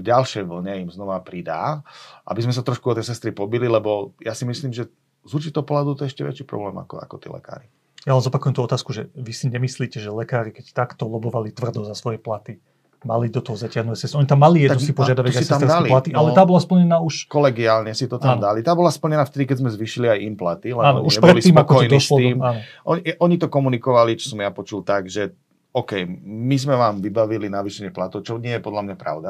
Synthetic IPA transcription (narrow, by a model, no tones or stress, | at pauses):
vɟalʃɛjʋl̩ɲɛimznɔʋapɾid̪a̰ːʔa̰bizmɛsat̪ɾɔʃkuɔt̪ɛjsɛst̪ɾipɔbililɛbɔjasimisliːmʒɛ | zuɾt͡ʃit̪ɔʊpɔlɦad̪ɔʊt̪ɔɛɛʃcɛʋɛ̰t͡ʃiːpɾɔ̰blɛ̰ːma̰kɔ̰a̰kɔt̪ḭːlɛ̰ka̰ːɾi | jalɛnzɔpakujɛmt̪uɔt̪aːskuʒɛʋisiɲɛmisliːcɛʒɛlɛkaːɾikɛct̪akt̪ɔlɔbɔʋalit̪ʋr̩d̪ɔzasʋɔjɛplat̪i | malid̪ɔt̪ɔɦɔzacɪaɦnuɛsɛsɔɲit̪amːalijɛd̪sipɔʒjad̪aʋɛɔsit̪amd̪aɛlilat̪iʔalɛt̪aːbɔlaspl̩ɲɛnaːuʃkɔlɛɡiaːlɲɛsit̪ɔt̪amd̪alit̪aːbɔlaspl̩ɲɛnaːft̪ɛd̪ikɛzmɛzʋiːʃiliajimplat̪ilɛnanuɲʃɛbpɾɛɔlisiːmpɔkɔjnd̪ɔsslt̪iːmanɔʔɔɲʔɔɲit̪ɔkɔmunikɔʋalit͡ʃɔ̥sɔmjapɔt͡ʃult̪aɡʒɛ | ɔkɛjmizmɛʋaːmʋibaʋilinaʋiːʃɛɲɪɛplat̪ɔʊt͡ʃɔɲɪɛjɛpɔd̪lamɲapɾa̰ʊd̪a